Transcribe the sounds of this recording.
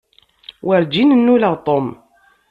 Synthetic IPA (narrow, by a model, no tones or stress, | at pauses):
wəɾd͡ʒinənːuləʁt̪ˤom